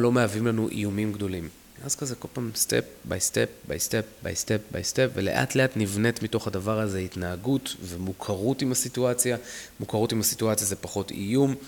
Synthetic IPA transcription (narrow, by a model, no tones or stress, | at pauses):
lo̞meavimlanuʔḭjumimɡdo̞lim | ʔazkazeko̞lpaːmstep̚ba̰jstep̚ba̰jstep̚ba̰jstep̚ba̰jstepvele̞̰ʔa̰tleatnivne̞tmito̞χhadavaʁazeitnaːɡutvemukʰaʁutimhasituat͡sjamukaʁutimhasituat͡sjazepaχo̞tḭjum